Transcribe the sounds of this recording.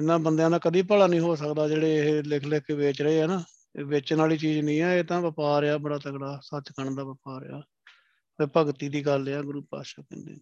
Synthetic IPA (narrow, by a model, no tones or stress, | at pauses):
ɪnːãːbənd̪jãːnãːkəd̪iːpəɽaːnĩːɦoːs̬əkd̪aːd͡ʒeːɽeːɦlɪkʰlɪkʰːʋeːt͡ʃɾəeːɦɛːnãː | ʋeːt͡ʃnaːliːt͡ʃiːd͡ʒnĩːɛːeːt̪ãːʋɪpaːɾɪaːbəɽaːt̪əɡɽaːsət͡ʃkəɳd̪aːʋəpaːɾ̰ja̰ː | ʋɪpəɡt̪iːd̪iːɡəlːaːɡɾuːpa̰ːʃaːkɛ̰̃nd̪ḛː